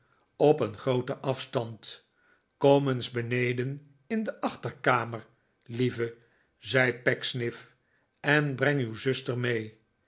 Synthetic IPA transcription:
ɔpənχrowtəʔɑfstɑnt | kɔmənzbənejdən | ɪndəʔɑχtəɹkaːməɹ | livə | zɛjpɛksnɪf | ɛnbrɛŋywzɵstəɹmej

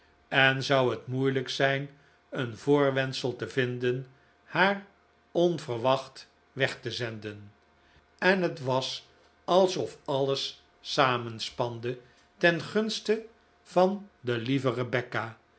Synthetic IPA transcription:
ɛnzʌwɦətmujləksɛjn | ənvʊːɹʋɛnsəlˠtəvɪndən | haːr | ɔnvərʋɑχt | ʋɛχtəzɛndən | ɛnɦətʋɑs | ɑlˠsɔfɑləsː | aːmənspɑndə | tɛnχɵnstə | v̥ɑndəlivərəbɛkaː

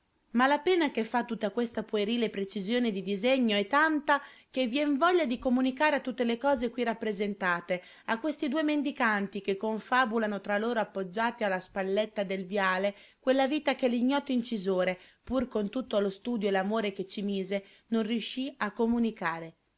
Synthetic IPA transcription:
malapɛːnakefːat̪ːut̪ːakwest̪apoeɾiːlepɾet͡ʃizjoːned̪id̪izeɲːoɛt̪ːant̪akevjɛɱvɔʎːad̪ikomunikaːɾeat̪ːut̪ːelekɔːzekwirapːɾezent̪aːt̪e | akːwest̪id̪uemend̪ikant̪ikekːoɱfaːbulanot̪ɾaloːɾoapːod͡ʒːaːt̪ialːaspalːet̪ːad̪elvjaːlekwelːaviːt̪akeliɲːɔt̪ːoint͡ʃizoːɾepurkont̪ut̪ːoalost̪uːd̪joelamoːɾek̟et͡ʃːimiːze | nonriuʃːiakːomunikaːɾe

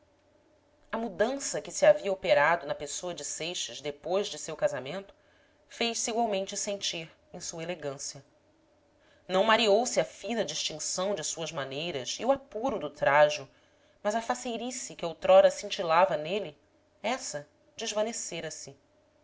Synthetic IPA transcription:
ɐmud̪ɐ̃sɐkɪsiaviɐopeɾad̪ʊnɐpesoɐd͡ʒɪsejʃɐzd̪epojzd͡ʒɪsewkazamẽnt̪ʊ̥ | fejʃsiɡwawmẽnt͡ʃɪsẽnt͡ʃiɾ | ẽj̃suɐeleɡɐ̃sijɐ | nɐ̃w̃maɾiowsɪɐfĩnɐd͡ʒiʃt͡ʃĩsɐ̃w̃d͡ʒɪsuɐzmanejɾɐziuapuɾʊd̪ʊt̪ɾaʒʊ | mɐzɐfasejɾisikɪowt̪ɾɔɾɐsĩnt͡ʃilavɐnelɪ | ɛsɐ | d͡ʒɪʒvɐneseɾɐsɪ

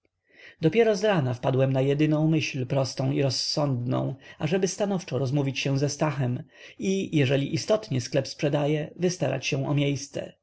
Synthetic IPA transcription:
d̪ɔpʲjɛɾɔzɾanafpad̪wɛmnajɛd̪ɘnɔ̃w̃mɘɕlpɾɔst̪ɔ̃w̃iɾɔsːɔnd̪nɔ̰̃w̃aʐɛbɘst̪anɔft͡ʂɔɾɔzmuvʲit͡ɕɕɛ̃w̃zɛst̪axɛmijɛʐɛlʲiʔist̪ɔt̪ɲɛsklɛpspʂɛd̪ajɛvɘst̪aɾa̰t͡ɕɕɛw̃ʔɔ̰mʲjejst̪sɛ̰

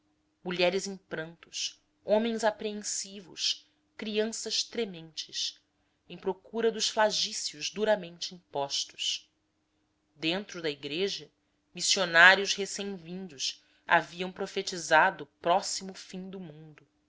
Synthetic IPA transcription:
muʎɛɾɪzĩŋpɾɐ̃nt̪ʊ̥s | õmẽj̃zapɾeẽnsivʊ̰s | kɾiɐ̃sɐʃt̪ɾemẽnt͡ʃɪs | ẽj̃pɾokuɾɐd̪ʊsflaʒisiʊʒd̪uɾɐmẽnt͡ʃɪĩŋpɔʃt̪ʊ̥s | d̪ẽnt̪ɾʊd̪ɐiɡɾeʒɐ | misionaɾjʊzhesẽj̃vĩnd̪ʊs | a̰viɐ̃w̃pɾofet͡ʃizad̪ʊːpɾɔsimʊfĩɲd̪ʊmũnd̪ʊ

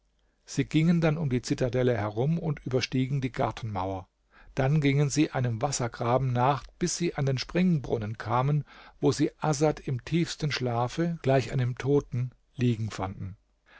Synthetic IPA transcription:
z̥iːɡɪŋəndanʊmdiːt͡sɪtadɛləhɛʁʊmʊntʔyːbɐʃtiːɡŋ̩diːɡa̰ɐtʰn̩ma̰ʊɐ | d̥anɡɪŋənziːʔaɪnəmvasɐɡʁaːbm̩naːχb̥ɪsz̥iːʔandeːnʃpʁ̥ɪŋbʁʊ̰nənkʰaːmənvoːziːʔazatɪmtʰiːfstn̩ʃlaːfəɡ̥laɪçʔa̰ɪnəmtʰoːtn̩ | liːɡŋ̩fandn̩

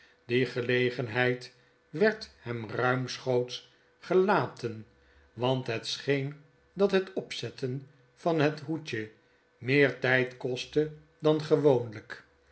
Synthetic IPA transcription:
d̥iχəlejχənɦɛjt | ʋɛɹthɛmrœɥmsχowts | χəlaːtən | ʋɑnt̪ɦət̪sχejn | dɑt̪ɦətɔpsɛtən | fɑnɦətɦucə | mɪːɹtɛjtkɔstə | dɑnχəʋownlək

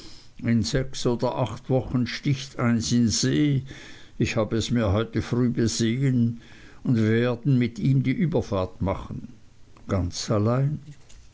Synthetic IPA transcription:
ɪnzɛksoːdɐʔaχtv̥ɔχən̩ʃtɪçtʰaɪnsɪnz̥eː | ɪçhaːbəɛsmiːɐɦɔʏtəfʁyːbəzeːən | ʊndveːɐdn̩mɪtiːmdiːʔyːbɐfaːɐtmaχən̩ | ɡ̥ant͡salaɪn

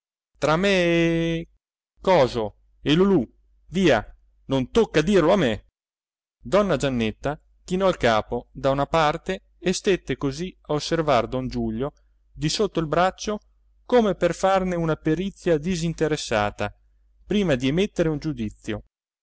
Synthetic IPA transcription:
t̪ɾamːe | kɔːzo | elulu | viːa | nont̪okːad̪irloamːe | d̪ɔnːad͡ʒanːet̪ːa | k̟inɔalkaːpod̪aunapart̪eː | st̪et̪ːekoziaosːervard̪ond͡ʒuʎːo | d̪isot̪ːoilbɾat͡ʃːo | komeperfarneunapeɾit̪sːjad̪izint̪eɾesːaːt̪a | pɾiːmad̪iemet̪ːeɾeund͡ʒud̪it̪sːjo

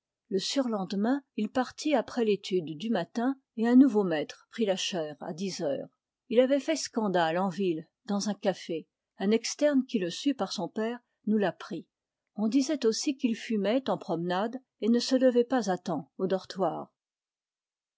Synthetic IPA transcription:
ləsyʁlɑ̃d̪mɛ̃ilpaʁt̪ʰiapχɛlet̪ʰyd̪ːymat̪ɛ̃ | eɛ̃nuvomɛt̪χpχilaʃɛːʁa̰d̪izœːʁ | ilavɛfɛskɑ̃d̪alɑ̃vil | d̪ɑ̃zɛ̃kafe | ɛ̃nɛkst̪ɛʁnkʲiləsypaʁsɔ̃pɛːʁ | nulapχi | ɔ̃d̪izɛt̪osikilfymɛt̪ɑ̃pχɔmnad̪ | enəsələvɛpazat̪ɑ̃od̪ɔʁt̪waːʁ

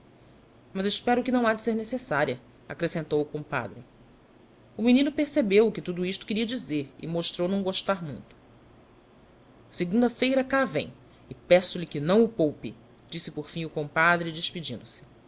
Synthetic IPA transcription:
mɐzɪʃpɛɾʊkɪnɐ̃w̃ad͡ʒɪseɾnesesaɾiɐ | akɾesẽnt̪owukõpa̰d̪ɾɪ | uminĩnʊpeɾsebewkɪt̪ud̪uiʃt̪ʊ̥kɪɾiɐd͡ʒizeɾɪ̰moʃt̪ɾownɐ̃w̃ɡoʃt̪aɾmṵ̃j̃t̪ʊ̥ | seɡũd̪ɐfejɾɐkavḛ̃j̃ | ɪpɛsʊlɪkɪnɐ̃w̃ʊpowpɪ | d͡ʒisɪpoɾfĩɲ̃ʊkõpad̪ɾɪd͡ʒiʃpid͡ʒĩnd̪ʊsɪ̥

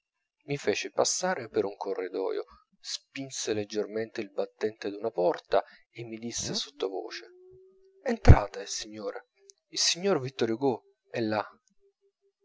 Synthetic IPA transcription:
mifeːt͡ʃepasːaːɾepeɾuŋkʰorːid̪ɔ̰ːjo̰ | spinseled͡ʒːerment̪eilbat̪ːɛnt̪ed̪unapɔrt̪a̰ | emːid̪isːeso̥t̪ːovo̰ːt͡ʃe | ent̪ɾaːt̪asiɲːoːɾe | ilsiɲːorvit̪ːoɾjoɡo | ɛlːa

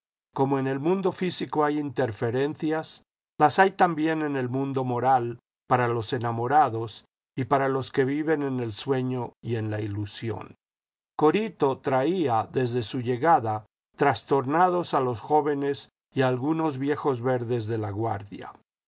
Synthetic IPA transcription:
ko̞mo̞e̞ne̞lmũnd̪o̞fisiko̞ajint̪e̞ɾfe̞ɾe̞nθjas | lasajt̪ambje̞ne̞ne̞lmũnd̪o̞mo̞ɾal | paɾalo̞se̞namo̞ɾaðo̞s | ipaɾalo̞ske̞βiβe̞ne̞ne̞lswe̞ɲo̞ie̞nlailusjo̞̰n | ko̞ɾit̪o̞t̪ɾaiaðe̞zðe̞suʝe̞ɣaða | t̪ɾast̪o̞ɾnaðo̞salo̞sxo̞βe̞ne̞s | ialɣuno̞zβje̞xo̞zβe̞ɾðe̞zðe̞laɣwa̰ɾðja̰

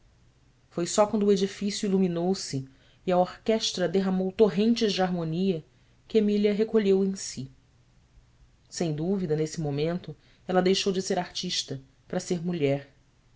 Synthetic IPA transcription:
fojsɔkwɐ̃nd̪ʊed͡ʒifisjuiluminowsɪː | ɐoɾkɛʃt̪ɾɐd̪eɦɐmowt̪oɦẽnt͡ʃɪzd͡ʒɪaɾmoniɐ | kɪemiliɐɦekoʎewẽj̃si | sẽj̃d̪uvid̪ɐnesɪmõmẽnt̪ʊ | ɛlɐd̪ejʃowd͡ʒɪseɾaɾt͡ʃiʃt̪ɐ | pɾɐseɾmuʎɛɾ

